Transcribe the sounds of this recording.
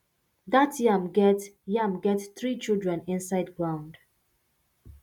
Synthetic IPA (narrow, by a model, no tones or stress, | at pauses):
ðatjamɡɛtjamɡɛtθɹit͡ʃilˠdɹɛ̃nɪ̃nsaɪdɡɹãʊ̃nd̥